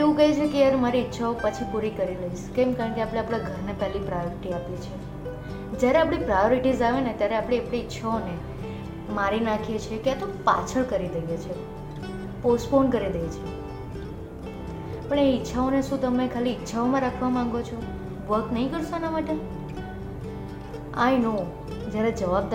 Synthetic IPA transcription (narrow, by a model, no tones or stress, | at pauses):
eũkəɦit͡ʃʰekeaɾmaɾiːtːʃʰaopət͡ʃʰipuɾikəɾiləiʃkemkaɾəɳkeapɽeapɽ̃aɡʱəɾnepɛlipɾajoɾiʈiapjet͡ʃʰe | d͡ʒjaɾeapɽ̃ipɾajoɾiʈizaʋenet̪jaɾeapɽeapɽiɪtːʃʰaone | maɾinakʰijet͡ʃʰekeat̪opa̰t͡ʃʰəɭkəɾid̪əjet͡ʃʰe | posʈponkəɾid̪əjet͡ʃʰe | pəɳeitːʃʰaoneʃũt̪əmekʰaliːtːʃʰaomãɾakʰʋamãŋɡot͡ʃʰo | ʋəɾt̪nəɦĩkəɾʃoanamaʈe | a̰jno | d͡ʒjaɾed͡ʒəʋab̚d̪